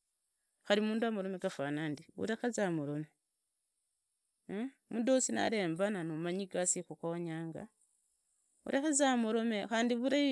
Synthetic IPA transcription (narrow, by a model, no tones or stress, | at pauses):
xaɾimuːnduamuɾomekafanaːndiṵɾexazamuɾome | mudosina̰ɾeːmbananumaɲiɡasixukoɲaːŋɡa̰ | ṵɾʔexezamuɾomexaːndiβuɾa